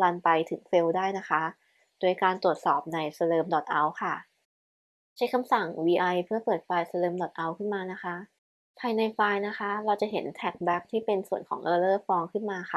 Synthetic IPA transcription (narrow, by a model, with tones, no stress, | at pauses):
la˧npa˧jt̪ʰɯ˨˩˦ŋfe˧wdaː˥˩jna˦˥kʰa˦˥ | du˧˩əjkaː˧nt̪ɾu˨˩ət̪̚sɔː˨˩p̚na˧jsa˧lɤː˧mdɔ˨˩t̪̚ʔa˧wkʰa˥˩ | t͡ɕʰa˦˥jkʰa˧msa˨˩ŋwiː˧ʔa˧jpʰɯ˥˩ɐpɤː˨˩t̪̚faː˧jsa˧lɤː˧mdɔ˨˩t̪̚ʔa˧wkʰɯ˥˩nmaː˧na˦˥kʰa˦˥ʔ | pʰaː˧jna˧jfaː˧jna˦˥kʰa˦˥ʔɾa˧wt͡ɕa˨˩ɦe˩˦nt̪ʰɛ˨˩k̚bɛ˦˥k̚t̪ʰiː˥˩pe˧nsu˨˩ənkʰɔː˩˦ŋʔɤː˧lɤː˥˩fɔː˧ŋkʰɯ˥˩nmaː˧xʰa˥˩